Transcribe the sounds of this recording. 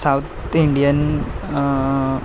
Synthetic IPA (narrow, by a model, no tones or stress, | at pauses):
sɐwt̪ʰ | iɳɖijɐn